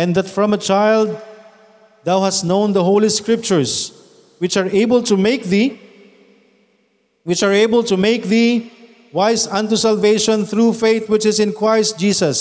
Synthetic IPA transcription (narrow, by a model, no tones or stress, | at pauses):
ɛ̃nðætfɹʌ̃mət͡ʃaɪlˠd̪̚ | ðaʊhæstnõʊ̃nd̪əɦoʊliskɹɪp̚t͡ʃəɹs | wɪt͡ʃaɹeɪbəltumeɪk̚ði | wɪt͡ʃaɹeɪbəlˠtumeɪk̚ði | waɪsãntusalˠveɪʃɔ̃nθɹufeɪθwɪt͡ʃɪzɪ̃nkʰɹaɪst̚d͡ʒiːsəs